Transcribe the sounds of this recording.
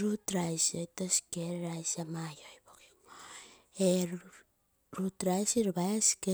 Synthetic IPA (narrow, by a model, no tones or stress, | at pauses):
ɾutɾajsojtosi̥keɾɾajsamajojbokiŋ | e | ɾutɾajsiɾbajaske